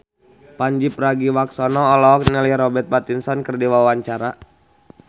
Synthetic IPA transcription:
paɲd͡ʒipraɡiwaksɔnɔːlɔɔk̚nɛlɛjɾɔbɛt̪̚bat̪insɔnkərdiwawaɲt͡ʃaɾa

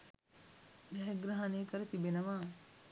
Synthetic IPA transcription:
dɛɦeɡɾaɦaneːkəɾət̪ibenɐʋa

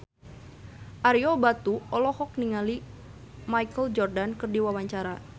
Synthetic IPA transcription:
ʔaɾiɔbat̪uɔlɔhɔk̚niŋali | majkəld͡ʒɔrdankɨrdiwawaɲt͡ʃaɾa

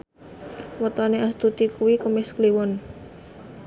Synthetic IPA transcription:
wət̪ɔneast̪ut̪ikuwikəmɪskliwʊn

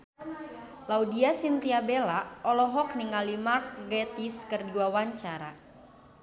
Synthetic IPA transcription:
laudiasint̪iabelaɔlɔɦɔk̚niŋalimark̚ɡɛt̪iskərdiwawaɲt͡ʃaɾa̰

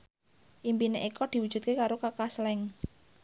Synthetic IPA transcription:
ʔimpineʔikɔd̪̥i̤wud̥ʒ̥ṳt̪̚kekaɾokakaslɛŋ

